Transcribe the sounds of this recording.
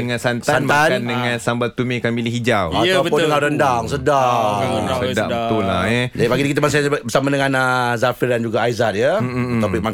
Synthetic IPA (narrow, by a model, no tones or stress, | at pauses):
əŋãnsant̪saanmanandəŋãnsambat̪umikanmiliɦid͡ʒawat̪awpʊdəŋaɾəndaŋsədaŋsəda̰bət̪unlajɛd͡ʒadipaɡinikit̪̬əmas̬aabəsamadəŋãnəzafirdand͡ʒuɡaajzat̪̚jət̪opik̚ma